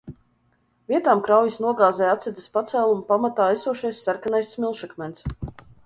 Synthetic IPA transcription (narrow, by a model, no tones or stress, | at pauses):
vʲiɛt̪aːmkɾawjisnuɔɡaːzɛjat̪sʲɛd̪əspat̪sæːlˠumupamat̪aːɛsuɔʃajsːaɾkanajssmʲilˠʃakmʲɛnt̪s